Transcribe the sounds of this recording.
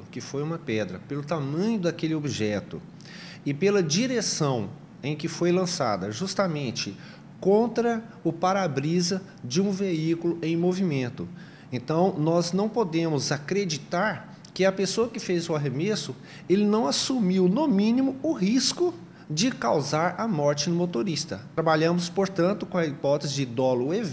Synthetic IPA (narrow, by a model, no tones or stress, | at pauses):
ʊkɪfojũmɐpɛd̪ɾɐ̰pelʊt̪amɐ̃ɲʊd̪ɐkelɪobiʒɛt̪ʊ̰ | ɪpelɐd͡ʒiɾesɐ̃w̃ | ẽj̃kɪfojlɐ̃sa̰d̪ɐʒust̪amẽnt͡ʃɪ | kõnt̪ɾɐ | ʊpaɾabɾizɐ | d͡ʒɪũveikulʊẽj̃movimẽnt̪ʊ | ẽnt̪ɐ̃w̃nɔznɐ̃w̃pod̪ẽmʊzakɾed͡ʒit̪aɾ | kɪɐpesoɐkɪfezʊaɦemesʊ | elɪnɐ̃w̃asumiwnʊmĩnimʊʊɦiskʊ | d͡ʒɪkawzaɾɐmɔɾt͡ʃɪnʊmot̪oɾist̪ɐ̰t̪ɾabaʎɐ̃mʊspoɾt̪ɐ̃nt̪ʊkõɐipɔt̪ezɪd͡ʒd̪ɔlʊev